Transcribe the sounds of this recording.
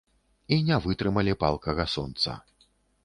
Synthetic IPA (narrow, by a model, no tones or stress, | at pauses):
inʲɛvɨt̪ɾɨmɐlʲipalˠkɐɣɐsɔnt̪sɐ̰